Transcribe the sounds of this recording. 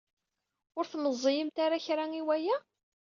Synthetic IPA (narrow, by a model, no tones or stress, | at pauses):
ʊɾθməzˤːijəmt̪aɾaçɾaŋiwæjæ